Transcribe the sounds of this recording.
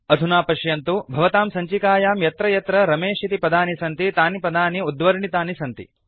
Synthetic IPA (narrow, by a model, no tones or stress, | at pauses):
ɐd̪ʱunaːpɐʃjɐnt̪ubʱɐʋɐt̪aːmsɐɲt͡ʃikaːjaːmjɐt̪ɾɐjɐt̪ɾɐɾɐmeːʃit̪ipɐd̪aːnisɐnt̪it̪aːnipɐd̪aːniud̪ʋɐɾɳit̪aːnisɐnt̪ḭ